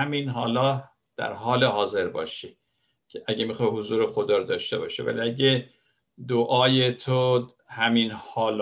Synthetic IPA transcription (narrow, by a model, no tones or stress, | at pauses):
æminɦɒːlɒː | d̪̥æ̰ɾɦɒːleɦɒːze̞ɾbɒ̰ːʃi | cʰeʔæɟemixɒːjɦozuːɾexod̪ɒːɾod̪ɒːʃt̪e̞bɒ̰ːʃḛvæ̰lḭæɟe | d̪oʔɒːjet̪ʰo | hæminhɒːl